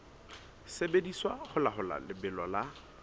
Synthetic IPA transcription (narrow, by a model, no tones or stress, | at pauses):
sebediswaχʊlaχʊla̰lɪbɪlɔla